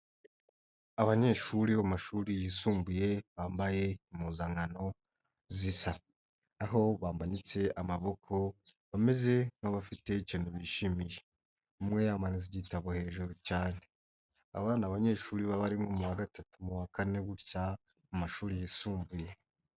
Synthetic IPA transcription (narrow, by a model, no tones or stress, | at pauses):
aβaɲe̞ʃuɾiamaʃuːɾijisuːmbuje̞βaːmbaje̞imuːzaŋɡano̞ | zisa | aɦo̞βaːmbanit͡se̞ʔamaβo̞kʰo̞βame̞ze̞ŋ̥haβafite̞cenuβiʃimije̞ | umŋe̞jamaniziɟitaβohe̞ːʒuɾucaːne̞ | a̰βaːnaβaɲe̞ːʃuːɾiβaβaɾimŋomuwaɡatatumuwakane̞ɡuɾca | mumaʃuːɾijiːsuːmbuje